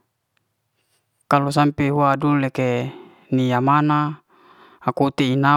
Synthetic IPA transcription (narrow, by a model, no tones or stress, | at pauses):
kalos̬ampeɦuadulːeke | nijamana | akut̪eina